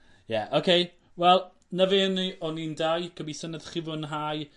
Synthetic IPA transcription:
jɛʔokʰej | wɛlˠ | nəveniɔnindajkʰəbisənəð̥χɪvʊnɦaj

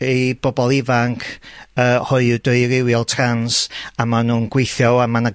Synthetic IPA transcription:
ejb̥ɔbɔlˠɪvaŋkʰəːhʊɨdʊɨɾɪwjɔlˠtʰransamanuːnɡ̥wejθjɔwamana

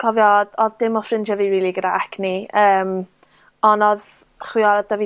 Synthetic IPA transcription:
kʰɔvjɔdɔðd̥ɪmɔfrɪnd͡ʒɛviwiːlˠiɡədaʔakʰniəːm | ɔnɔð | χwɪɔd̥avi

